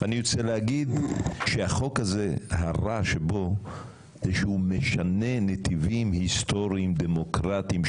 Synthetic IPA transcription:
anijot͡seleaɡid̪ʃehaχo̞khaze̞haʁaʃebo̞ | zeʃeumeʃane̞net̪ivimhist̪o̞ʁiːmd̪emokʁat̪im

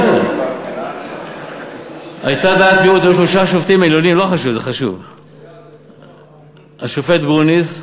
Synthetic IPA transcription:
ajt̪ad̪aːt̪̚biut̪juʃloʃaʃoft̪imailonimloχaʃuvzeχaʃṵv | aʃofet̪ɡʁuniz

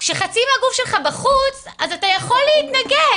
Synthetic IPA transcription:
kʃeχat͡simaɡufʃelχabaχut͡s | azatajaχo̞lːeitnaɡe

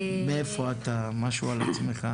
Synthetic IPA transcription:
meefoat̪amaʃualat͡sme̞χa

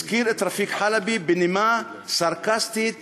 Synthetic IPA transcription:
kiːɾʔɪt̪ɾˤɑfiːkħalabibɪnima | saɾˤkast̪it̪

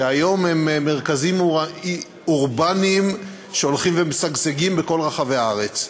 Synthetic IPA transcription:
eajo̞mhemːeʁkazim | uʁbanim | ʃe̞olχimvemesaɡseɡimbeko̞lʁaχaveaaʁet͡s

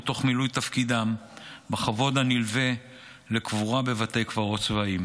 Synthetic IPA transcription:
t̪o̞χmilujt̪afkid̪ambaχavo̞d̪anilve | le̞kvuʁabe̞vatejkvaʁo̞t͡svaim

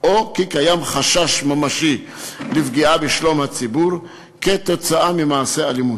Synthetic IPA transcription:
ʔokikajamχaʃaʃmamaʃi | lifɡiʔabeʃlo̞mhat͡sibuʁ | ket̪o̞t͡saʔamimaːse̞alimut

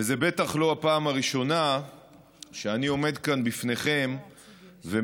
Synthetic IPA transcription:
veze̞be̞t̪aχlo̞apaːmaʁiʃo̞na | ʃeanio̞me̞d̪kanbifne̞χe̞m | ve

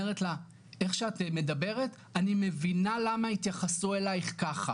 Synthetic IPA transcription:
eʁetla | e̞χʃeatme̞dabe̞ʁet | anime̞vinalamait̪jaχasue̞lajχkaχa

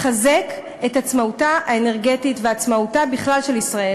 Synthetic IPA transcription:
χazek | e̞tat͡smautaʔaene̞ʁɡe̞titveat͡smautabiχlalʃelisʁae

